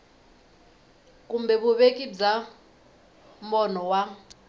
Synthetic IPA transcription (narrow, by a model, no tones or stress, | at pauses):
k̬ʼumbɛɓuβekʼib͡ʐa | mɔnɔwa